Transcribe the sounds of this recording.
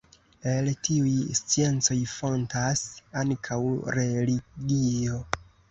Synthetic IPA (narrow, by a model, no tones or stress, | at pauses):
eltiujst͡sie̞nt͡so̞jfo̞ntasaŋkʰawɾe̞liɡio̞